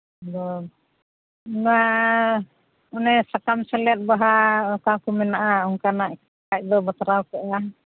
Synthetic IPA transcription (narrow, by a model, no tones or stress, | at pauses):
d̪ɔ | nua | ɔnɛsakamsɛlɛt̪̚baɦaɔkakumɛnaʔauŋkanaʔ | ac̚d̪ɔbasaɾawkɔʔa